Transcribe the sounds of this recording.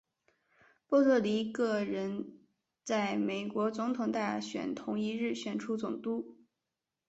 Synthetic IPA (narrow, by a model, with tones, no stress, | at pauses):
pɔ˥˧t̪ʰɤ˥˩li˧˥kɤ˥˩ɻə˧˥n | t͡sa˥˩ɪme˨˩ɪkwɔ˧˥t͡sʊ˧˥ŋt̪ʰʊ˨˩ŋt̪a˥˩ɕɥɛ̰˨˩nt̪ʰʊ˧˥ŋi˧˥ɻɻ̩˥˩ɕɥɛ˨˩nʈ͡ʂʰu˥t͡sʊ˨˩ŋt̪u˥